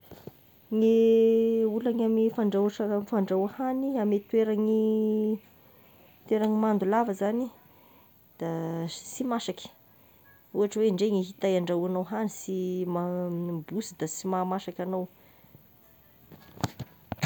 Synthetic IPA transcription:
ŋe | ulaŋamifaɳɖ͡ʐawʈ͡ʂamfaɳɖ͡ʐawahaniamet̪weɾaŋi | t̪weɾaŋimand̪ulavəzani | d̪̥asimaʃakʲi̥ə̥ | uaʈ͡ʂəweɳɖ͡ʐeŋeɦit̪ajaɳɖ͡ʐawanowɦanisimabusid̪̥asimamaʃakʲanow

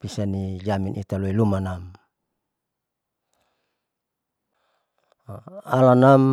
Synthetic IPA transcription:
pisanid͡ʒaminʔḭt̪aloilumanam | alanam

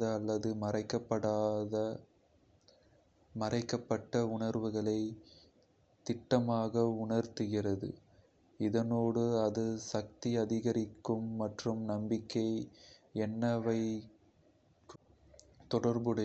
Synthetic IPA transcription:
ɐːlːɐðɯmɐrɐɪkːɐpːɐɽaːðɐ | mɐrɐɪkːɐpːɐʈːɐʊɳɐɾʋɯɣɐɭɐɪ | t̪ɪʈːɐmaːɣɐʊɳɐɾt̪ɯɣɪrɐðɯ̰ | ɪðɐnoːɽɯɐðɯsɐk̚t̪iɐðɪɣɐɾɪkːɯmːɐʈrɯmnɐmbɪkːɐɪɛnːɐʋɐɪ | t̪ɔɽɐɾbɯɽɐ

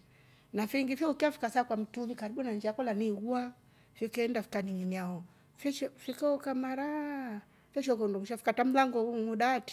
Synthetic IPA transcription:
nafiɾiŋɡifɔukiafi̥kasakwam̩tumikaɾiɓunand͡ʒiakɔlaniɣua | fɔkɛndafi̥kaniɲiniaɔ | fɛʃɔfikaɔkamaɾa | fɛʃɔkɔndɔmuʃafi̥katam̩laŋɡɔŋuɗati̥

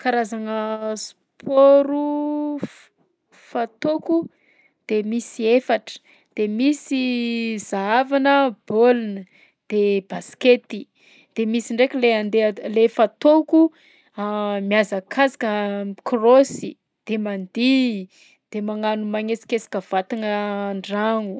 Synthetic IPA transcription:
kaɾazaŋəs | pʰoɾu | fat̪oku | d̪̥emisiefaʈ͡ʂə̥ | d̪̥emisizaavanəb̥olunə | d̪̥ebasket̪i | d̪̥emisiɳɖ͡ʐekʲleand̪elefat̪oku | amiazakʰazḁkəmkʰrosi | d̪̥emand̪i | d̪̥emaŋanumaŋesi̥kesḁkəv̥at̪inəɳɖ͡ʐaŋu

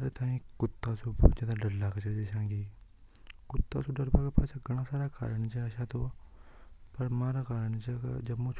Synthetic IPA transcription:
ɾet̪ʰãːĩːkʊt̪ːaːsuːbo̰ːt͡ʃãːt̪aɖəlːaːkət͡ʃəɾd͡ʒeʃãːŋɡiː | kʊt̪ːa̰ːsũːɖəɾbaːkəpʰat͡ʃaɡəɽ̃ãːsaːɾaːkʰa̰ːɾəɳt͡ʃəəʃãːt̪oː | pəɾmãːɾaːkaːɾəɳt͡ʃəkd͡ʒəmːõːt͡ʃʰ

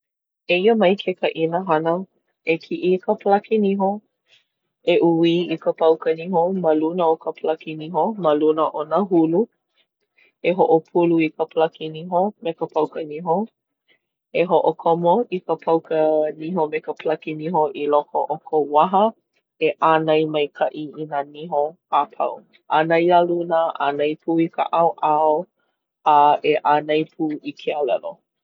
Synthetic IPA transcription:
eiəmɐjkʰekəʔinəɦɐnə | ekʰiʔikʰəpəlakʰiniɦo | eʔuwiikəpɐwkəniɦoməlunəokəpʰəlakiniɦoməlunəʔonəɦulu | eɦoʔopʰuluikəpəlakiniɦomekəpʰɐwkəniɦo | eɦoʔokʰomoikəpʰɐwkəniɦomekəplakiniɦoʔilokʰoʔokʰowaɦə | eʔanɐjmɐjkʰɐʔiinaniɦo | apʰɐ̰w | ʔanɐjalunaʔa̰nɐjpʰuːika̰ʔawʔao | aeʔanɐjpʰuːikʰealɛ̰lo

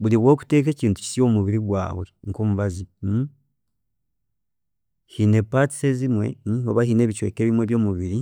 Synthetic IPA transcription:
βuliβwo̞ːku̥te̞ːke̞ːciːntu̥ci̥sijo̞ːmuβiɾiɡwa̰ːwe̞̰ŋko̞ːmuβazi | hine̞pati̥se̞zimwe̞̰o̞βahine̞ːβit͡ʃwe̞̰ːkeːβimwe̞βjo̞ːmuβiɾi

